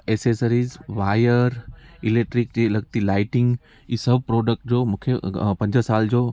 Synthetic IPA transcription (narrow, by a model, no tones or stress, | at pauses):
eːsesəɾizʋaːjəɾɪleːk̚ʈɾik̚d͡ʑilɐɡ̚t̪ilaːɪʈɪ̃ŋɡ | iːsɐbʱpɾoːɖək̚ʈ̚d͡ʑoːmũkʰepɐ̃ɲd͡ʑəsaːld͡ʑoː